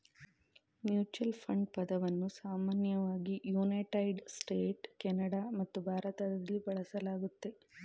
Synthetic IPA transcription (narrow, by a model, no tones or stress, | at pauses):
mjuːt͡ʃɐlpʰɐɳɖpɐd̪ɐʋɐnːusaːmaːnjɐʋaːɡijuːnɐʈɐjɖsʈeːʈkɛnɐɽamɐt̪ːubʱaːɾɐt̪ɐd̪ɐɐlːibɐɭɐsɐlaːɡut̪ːe̞